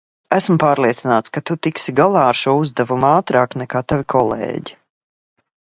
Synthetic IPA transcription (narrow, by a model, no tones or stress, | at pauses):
æsmpaːɾliɛt̪sinaːt̪skat̪ut̪iksiɡalˠaːaɾʃuɔuzd̪ɛvumaːt̪ɾaːknɛkaːt̪avʲikʰɔlˠḛːɟi